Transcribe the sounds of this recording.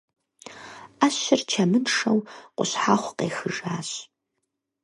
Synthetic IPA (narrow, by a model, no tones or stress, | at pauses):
aːɕɪrt͡ʃʰɐmɨnʂɐwqʷʊ̰ɕħaːχʷqeːxɨʒaːɕ